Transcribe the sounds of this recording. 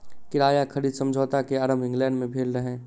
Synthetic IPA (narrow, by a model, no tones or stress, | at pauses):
kɪɾaːjakʰəɾiːd̪sə̃md͡ʒʱoːt̪akeaːɾəmɪ̃ŋɡlɛ̃ːɳɖmẽbʱeːlɾəɦẽː